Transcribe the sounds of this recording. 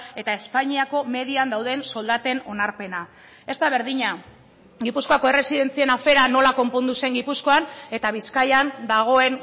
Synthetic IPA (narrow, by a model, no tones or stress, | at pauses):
e̞t̪ae̞spaɲiako̞me̞ðiand̪awð̞e̞nso̞ld̪at̪e̞no̞naɾpe̞na | e̞st̪aβ̞e̞ɾðiɲa | ɡipusko̞ako̞e̞re̞siðe̞nt͡sie̞nafe̞ɾano̞lako̞mpo̞nd̪use̞ŋɡipusko̞ane̞t̪aβ̞iskajand̪aɣ̞o̞e̞n